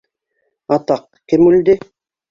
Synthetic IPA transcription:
ɑt̪ɑq | kemuld̪ɪ

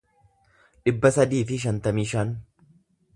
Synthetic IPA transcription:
ᶑɪbːɐsɐd̪iːfɪʃ̬ɐnt̪ɐmiːʃɐːn

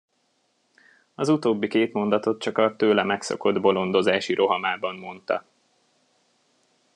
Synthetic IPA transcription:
ɒzut̪oːbːikeːt̪mo̞nd̪ɒt̪o̞t̪̚t͡ʃɒkɒt̪øːlɛmɛkso̞̰ko̞d̪bo̞lo̞nd̪o̞zaːʃiɾʔo̞ɦɒmaːbɒmːo̞nt̪ɒ̰

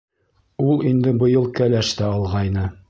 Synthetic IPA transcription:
ulˠind̪ɘbɤ̆jɤlˠkælæʃt̪æɑlˠʁɑjnɤ

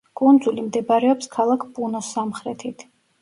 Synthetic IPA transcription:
kʼund̪zulimd̪ɛbaɾɛɔpskʰalˠakʰpʼunɔsamχɾɛt̪ʰit̪ʰ

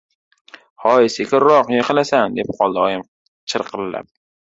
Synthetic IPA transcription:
hɒjɪsekʲʰɪɾɾɒqjeqɨlasand̪e̞p̚qʰɒlˠd̪ɪɒjɪm | t͡ʃʰɨɾqʰɨlɪla̰p̚

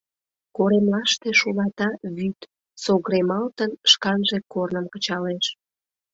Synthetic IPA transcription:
koɾemlɑʃt̪eʃulɑt̪ɑβyt̪ | soɣɾemɑlt̪ənʃkɑnʒekornəmkət͡ɕɑleʃ

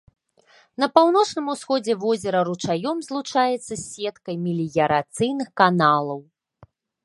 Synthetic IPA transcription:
nɐpawnɔt͡ʂnɨmusxɔd͡zʲɛvɔzʲɛɾɐɾut͡ʂajɔmzlˠut͡ʂajɛt̪sːɐsʲɛt̪kɐjmʲilʲijɐɾat̪sɨjnɨxkanalˠɐw

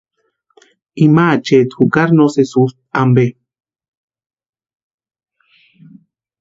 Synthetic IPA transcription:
imat͡ʃet̪hukaɾnosesust̪̚ambe

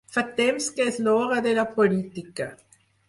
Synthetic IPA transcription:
fat̪emskeesloʁad̪elapolit̪ika

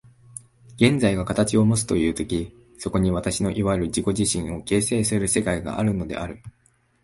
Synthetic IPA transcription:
ɡ̥ẽ̞nd͡zaiɡakat̪at͡ɕio̞mo̞t͡sɨ̥t̪o̞jɯ̟ːt̪o̞kʲi | so̞ko̞ɲ̟iβ̞at̪aɕino̞ʔiβaɾɯ̟ʑiko̞ʑiɕĩɰ̃o̞ke̞ːse̞ːsɨɾɯ̟se̞kaiɡa̰ʔaɾɯ̟no̞d̪e̞̰ʔaɾɯ̟

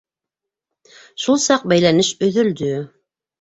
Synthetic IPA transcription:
ʃulˠsɑq̚bæjlænɘʃɵ̆ðɵ̆ld̪ɵ

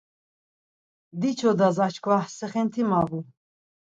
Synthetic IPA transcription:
d̪it͡ʃʰɔd̪azat͡ʃʰkʰvahsɛχɛnt̪ʰimavu

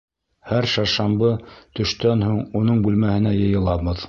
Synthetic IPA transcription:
hæɾʃɑʃɑmbɤt̪ɵ̆ʃt̪ænhuɴunɤɴbʉlmæhɘ̆næjɤ̆jɤ̆lˠɑβɤð

